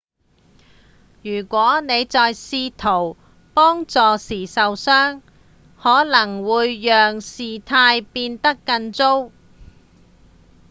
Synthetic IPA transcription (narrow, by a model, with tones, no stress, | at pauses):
jyː˨˩kʷɔː˨˥ne˨˧jt͡sɔː˨jsiː˧t̪ʰo˨˩w | pɔː˥ŋt͡sɔː˨˧siː˨sɐ˨wsœː˥ŋ | hɔː˨˥lɐ˨˩ŋwuː˨˧jːœː˨ŋsiː˨t̪ʰaː˧jpiː˧nt̪ɐ˥kːɐ˧nt͡so˥w